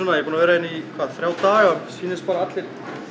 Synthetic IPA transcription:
ɔnajɛpuːnavɛːɾaɛnːikʰvaːðθɾjaːwt̪aːaɾsiːnɪspaːɾaat̪lɪɾ

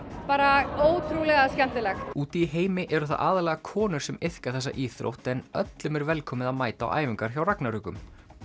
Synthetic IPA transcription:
paːɾaoːwt̪ʰɾulɛɣascɛn̥t̪ɪlɛxuːt̪iːɦeːjmɪʔɛɾʏθa̰ðʔaːðlɛɣakʰɔːnʏɾ̥sɛmɪθkaɾ̥θɛsːa̰ʔiːθɾo̰wht̪ɛnœ̰t̪lʏmɛɾvɛlkʰɔːmɪðamaːjt̪a̰ːwʔa̰ːjvɪŋkaɾ̥çawraknaɾʏːkʏm

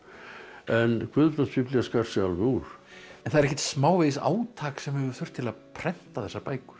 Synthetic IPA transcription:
ɛnkʰvʏðp̪anspʰɪplaskar̥sɪalvɪuːɾ̥ɛnθaðɛɾɛçcɛ̥t̪smaːwveːjsa̰ːwt̪ʰaːksɛmɛvʏɾθʏr̥t̪ʰɪlaðpʰɾɛn̥t̪aθɛsːaɾpaːjkʏ̥ɾ̥

